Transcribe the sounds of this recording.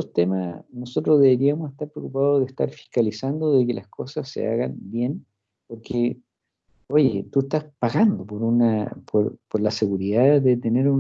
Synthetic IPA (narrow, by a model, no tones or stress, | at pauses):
ost̪emanosot̪ɾozðeβeɾiamoseht̪aɾpɾeokupaðoðeht̪a̰ɾfi̥hkalisand̪oðeke̞lʔasko̞sasːḛa̰ɣanbje̞n | poɾke | o̞ʝḛt̪uest̪aspaɣand̪opoɾunapʰoɾpoɾlase̞ɣuɾiðaðet̪eneɾun